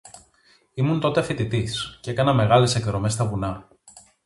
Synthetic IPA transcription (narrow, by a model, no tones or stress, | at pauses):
imunt̪o̞t̪efit̪it̪iscee̞kɐnɐme̞ɣɐle̞se̞kðɾo̞me̞st̪ɐvunɐ